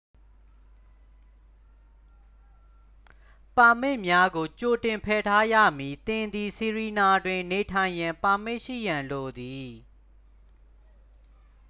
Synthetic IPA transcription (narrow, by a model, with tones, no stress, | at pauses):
pa˨m̥ɪ˦˨ʔmja˦ɡo˨t͡ɕo˨tɪ̃˨mpʰɛ˨tʰa˦jä̰˦˨mji˨t̪ɪ̃˨nd̪i˨si˨ɹi˨na˨dwɪ̃˨ne˨tʰã˨ɪ̃jã˨mpa˨m̥ɪ˦ʔʃḭ˦˨jã˨nlo˨d̪i˨